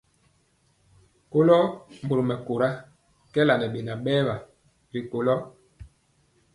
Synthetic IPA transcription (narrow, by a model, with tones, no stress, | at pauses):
ko˦lɔ˦m˨bo˨ɾo˨mɛ˨ko˨ɾa˦ | kɛ˦la˨nɛ˨ɓe˨na˨ɓɛː˦ba˨ | ɾi˨ko˨lɔ˦